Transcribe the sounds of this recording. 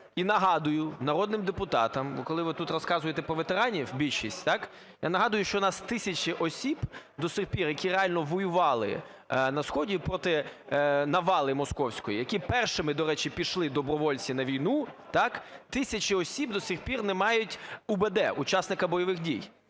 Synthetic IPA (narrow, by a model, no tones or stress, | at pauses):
inɐɦɑd̪ʊjʊnɐɾɔd̪nɪmd̪epʊt̪ɑt̪ɐmʋɔ̰kɔlˠɪʋɪt̪ut̪rɔskɑzʊjet̪ɛpɾɔʋet̪eɾɑnʲiwbʲilʲʃisʲtʲt̪ɑk | ja̰nɐɦɑd̪ʊjʊʃt͡ʃɔnɑst̪ɪsʲɐt͡ʃɪʔɔsʲibd̪ɔsʲɪrpʲirjɐkʲiɾeɑlʲnɔʋɔjʊʋɑlˠɪ̰ | nɐsxɔdʲipɾɔt̪ɪ | nɐʋɑlˠɪmɔskɔwsʲkɔjijɐkʲipɛrʃɪmɪd̪ɔɾɛt͡ʃipʲiʃlˠɪd̪ɔbɾɔʋɔlʲt͡sʲinɐʋʲijnut̪ɑkt̪ɪsʲɐt͡ʃɪɔsʲibd̪ɔsʲɪxpʲirnɛmɑjʊtʲubɛd̪ɛʔut͡ʃɑsnɪkɐbɔjɔʋɪxdʲij